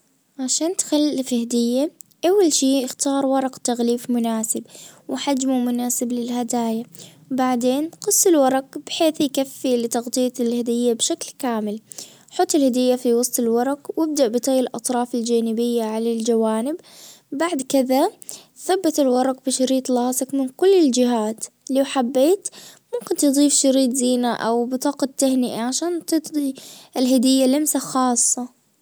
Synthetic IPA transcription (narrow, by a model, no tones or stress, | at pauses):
ʕaʃaːnt̪xalːɪfhad̪ɪjːaʔawːalʃiːʔɪxt̪ɑːɾˤwɑɾˤɑqt̪aɣliːfmʊnaːsɪbwħad͡ʒmumʊnaːsɪblɪlhad̪aːjawbaʕd̪eːnqɨsˤːɪlwɑɾˤɑqb̥ħeːθjkafːilɪt̪ɑɣt̪ˤɨjːatɪlhad̪ɪjːabʃaklkaːmɪl | ħɑt̪ˤːɪlhad̪ɪjːafiwɑsˤt̪ˤɪlwɑɾˤɑqwɪb̚d̪aʔbɪt̪ˤiːɪlʔɑt̪ˤɾˤɑːfɪld͡ʒaːnɪbɪjːaʕalald͡ʒawaːnɪb | baʕd̪kɪða | θabːat̪ɪlwɑɾˤɑqbɪʃɑɾiːt̪ˤlɑːsɪkmɪnkʊlːɪld͡ʒɪɦaːt̪liwħabːeːt̪mʊmkɪnt̪ɨd̪ˤiːfʃɑɾiːt̪ˤziːnaʔa̰wbɪt̪ˤɑːqɑt̪ːahnɪʔaʕaʃaːnt̪ɨt̪d̪ˤiɪlɦad̪ɪjːalɪmsaxɑːsˤːɑ